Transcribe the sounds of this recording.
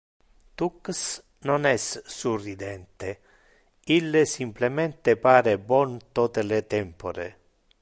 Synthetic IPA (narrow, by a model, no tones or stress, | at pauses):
t̪uks | nonɛssurːid̪ɛnt̪e | ilːesimplemɛnt̪epaːɾebɔnt̪ɔt̪elet̪ɛmpʰoɾḛ